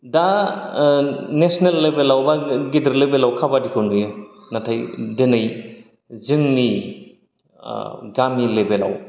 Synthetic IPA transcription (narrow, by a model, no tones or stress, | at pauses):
da | nesnelːebelawbaɡidəɾlebelawkʰabadikʰawnuja | natʰajdenɯj | zɯŋni | ɡamilebela̰w